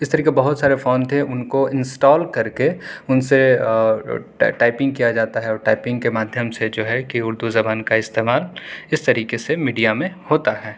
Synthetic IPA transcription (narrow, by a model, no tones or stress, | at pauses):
ɪst̪ɐɾiːkeebɐɦʊt̪saːɾefoːnt̪ʰeʔʊnkoɪ̃nsʈɔːlkɐɾkeʊnse | ʈaːɪpɪ̃ŋɡkijad͡ʒaːt̪aɦɛɔːɾʈaːɪpɪ̃ŋɡkemaːd̪ʱjəmsed͡ʒoːɦɛkiʊɾd̪uzɐbaːnkaɪst̪eːmaːlɪst̪ɐɾiːkesemiːɖijamẽhoːt̪aɦɛː